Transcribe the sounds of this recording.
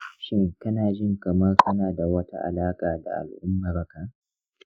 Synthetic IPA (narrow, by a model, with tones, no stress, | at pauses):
ʃɪ˦ŋkɐ˦naː˨ʒɪ˦ŋkɐ˨mɐ˦rkɐ˦naː˨da˨wɐ˦ta̰˦ʔa̰˨laː˦kʼaː˨da̰˨ʔa̰˨lʔʊ˦mːaː˨bɐ˦ka˨